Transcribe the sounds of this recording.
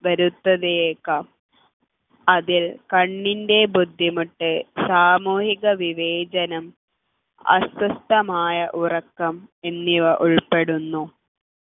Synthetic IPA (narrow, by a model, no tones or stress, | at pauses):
ʋɐɾut̪ːɐðeekːɐ | ɐðilkɐɳːinde̞bud̪ʱːimuʈːɨsaːmuːhiɣɐʋiʋeːd͡ʑɐnɐm | ɐ̰swɐst̪ɐmaːjɐʔurɐkːɐme̞nːiʋɐʔuɭpeɽunːu